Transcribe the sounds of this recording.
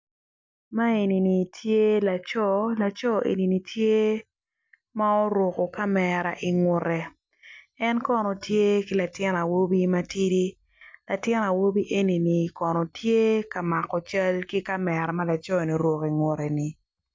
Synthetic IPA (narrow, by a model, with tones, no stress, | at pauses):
ma˦e˨ni˨ni˨tʰje˦la˨t͡ʃɔ˦la˨t͡ʃɔ˦ḛ˨ni˨ni˨tʰje˦ | ma˦ɔ˦ɾwo˨ko˨ka˦mɛ˨ɾa̰˨ʔi˨ŋwʊ˨ɾɛ˨ | ɛ˦nkɔ˦nɔ˨tje˦ki˦la˨tɪ˦na˨wo˦bi˦ma˦ti˦di˦ | la˨tɪ˦na˨wo˦bi˦ʔe˦ni˨ni˨kɔ˨nɔ˨tʰje˦ka˨ma˨kɔ˨t͡ʃa˦lki˦ka˦mɛ˨ɾa˨ma˦la˨t͡ʃɔ˦˨ni˨ɾwo˨ki˨ŋʊ˨ɾɛ˨ni˨